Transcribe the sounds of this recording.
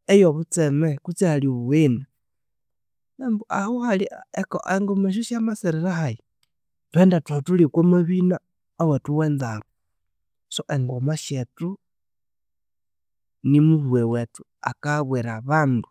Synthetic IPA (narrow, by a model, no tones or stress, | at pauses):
ejoβut͡semekut͡sehaliβuina | embuahuhalieko̰ʔeŋɡomeʃ̬uʃjamaseɾeɾahaji | twendatwatulikwomaβina | awetuweːnzaβo | soʔeŋɡomaʃetu | nimuβuwewetu̥ | a̰kaβweɾaβaːndu